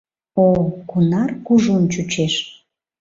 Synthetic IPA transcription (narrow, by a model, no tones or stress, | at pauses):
okunɑrkuʒunt͡ɕut͡ɕeʃ